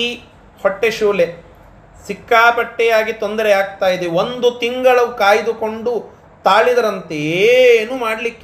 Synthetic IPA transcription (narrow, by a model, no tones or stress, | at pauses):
i | hoʈːeʃuːle | sikːaːpɐʈːɛjaːɡit̪ond̪ɐɾeaːɡ̚t̪aːjid̪eond̪ut̪iŋɡɐɭɐʋukaːjd̪uko̞ɳɖu | t̪aːɭid̪ɐɾɐnt̪eːnuːmaːɽlikːe